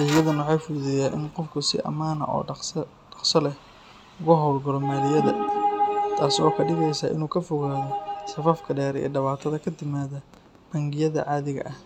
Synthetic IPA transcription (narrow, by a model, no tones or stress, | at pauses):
ɪjɐðɐnwɑħɑːjfʊðɛjaːʔɪ̰nqɔfkʰʊsɪ̰ʔɐ̰maːnɐ̰ʔɔ̰ː | ɖɐqsɔlɛh | ʊɣʊɦɔwlɡɐlɔmɛːlɪjɐðɐ̰ | t̪ʰaːsɔːkʰɐɖɪɣɛjsaːʔɪ̰nuːkʰɐfɔɣaːðɔsɐfafkʰɐɖɛːɾḭːɖɐβaːt̪ʰɐðɐkʰɐd̪ɪmaːðɐ | b̥ɐŋɡɪjɐðɐ̰ʕɑːðɪɣɐ̰ʔɐh